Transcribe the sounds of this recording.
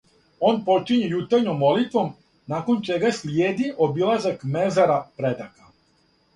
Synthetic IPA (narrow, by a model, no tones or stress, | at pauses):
o̞ːnpo̞t͡ʃiɲejut̪anomːo̞lit̪ʋo̞m | naːko̞nt͡ʃe̞ɡasljeːd̪iʔo̞bilazakme̞zaɾapɾe̞d̪aka